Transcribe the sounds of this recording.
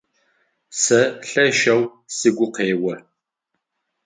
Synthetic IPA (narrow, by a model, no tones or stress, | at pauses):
sɐɬɐʃɐw | sɨɡʷʊqeːwɐ